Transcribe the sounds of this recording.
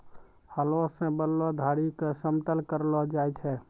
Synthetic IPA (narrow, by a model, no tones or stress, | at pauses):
həlɔsẽbəlːɔd̪ʱaɽikesəmt̪əlkəɾlɔd͡ʒajt͡ʃʰɛ